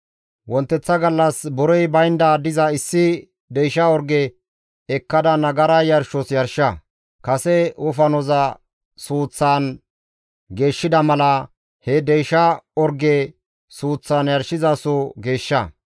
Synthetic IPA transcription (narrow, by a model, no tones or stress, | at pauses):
wɔnt̪ːɛt͡sːɐɡɐlːɐsbɔɾɔjbɐjnd̪ad̪ɪzɐɪsːɪ | d̪ɛjʃɐɔɾɡɛ | ɛkːɐd̪ɐnɐɡɐɾɐjɐɾʃɔsjɐɾʃɐ | kɐsɛʊfɐnɔzɐ | suːt͡sːaːn | ɡe̞ːʃːɪd̪ɐmɐlɐ | hɛd̪ɛjʃɐɔɾɡɛ | suːt͡sːaːnjɐɾʃːɪzɐsɔɡe̞ːʃːɐ